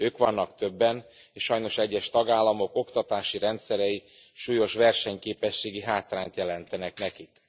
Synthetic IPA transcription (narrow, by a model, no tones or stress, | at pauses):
øːkʋɒnːɒkt̪ø̞bːɛn | eːʃʃːɒjno̞ʃɛɟːɛʃt̪ɒɡaːlːɒmo̞ko̞kt̪ɒt̪aːʃiɾɛnt̪sɛɾɛji | ʃuːjo̞ʃʋɛrʃɛɲkeːpɛʃːeːɡiɦaːt̪raːnt̪jɛlɛnt̪ɛnɛknɛkik